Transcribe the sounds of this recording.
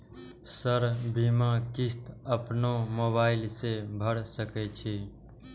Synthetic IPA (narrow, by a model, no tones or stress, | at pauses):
səɾbʱimãkist̪əpnomobaːɪlsebʱəɽsəkɛt͡ʃʰi